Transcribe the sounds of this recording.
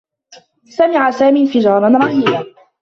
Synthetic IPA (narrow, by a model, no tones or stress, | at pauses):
samɪʕasaːmiːfɪd͡ʒɑːɾˤɑnɾˤɑhija